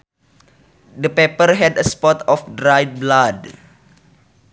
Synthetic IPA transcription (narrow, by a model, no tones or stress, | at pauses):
dəpepərɦɛdəspɔtʰɔfdɾajt̚blad